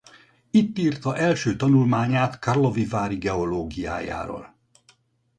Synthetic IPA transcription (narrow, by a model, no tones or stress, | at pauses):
it̪ːiːrt̪ɒʔɛlʃøːt̪ɒnulmaːɲaːt̪karlo̞vivaːɾiɡɛo̞loːɡija̰ːja̰ːvɒ̰l